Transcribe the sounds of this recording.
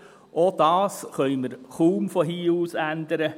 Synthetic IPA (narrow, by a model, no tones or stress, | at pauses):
ʔod̥̪ɑːsχœʏməɾχuːmfɔɦiːuːsænd̪əɾə